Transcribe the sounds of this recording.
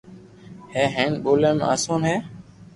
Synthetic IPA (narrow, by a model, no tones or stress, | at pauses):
hẽːɦẽːɳɓoːlẽːm̰a̰ːsuːnɦeː